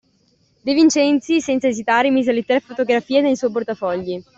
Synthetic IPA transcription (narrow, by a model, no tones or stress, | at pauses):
d̪evint͡ʃɛnt̪sisɛnt̪saezit̪aːɾemizalet̪ːɛɾafot̪oɡɾafiːenejsɔjp̬ort̪afɔʎːi